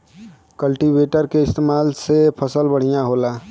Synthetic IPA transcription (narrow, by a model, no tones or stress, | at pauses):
kəlʈibeːʈəɾkeɪst̪eːmaːlsepʰəsəlbəɽ̤ijãɦoːlaː